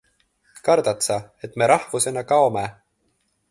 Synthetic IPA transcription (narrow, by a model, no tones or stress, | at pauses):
kɑɾd̪ɑt̪sɑe̞t̪ːme̞ɾɑhvuse̞nɑkɑome